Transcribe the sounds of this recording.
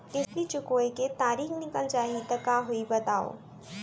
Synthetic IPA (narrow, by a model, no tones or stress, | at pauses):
ɪsɾit͡ʃʊkoːjket̪aːɾiːxnɪkəld͡ʒaːɦit̪ɐkaɦʊibɐt̪aːo̰ː